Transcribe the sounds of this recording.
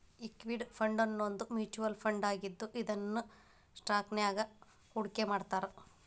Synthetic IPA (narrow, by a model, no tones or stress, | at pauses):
ikʋiɖpʰɐɳɖɐnːond̪umjuːt͡ʃuʋɐlpʰɐɳɖaːɡid̪ːuʔid̪ɐnːu | sʈɾaːknɛjaːɡɐ | huɽkemaːɖt̪aːɾe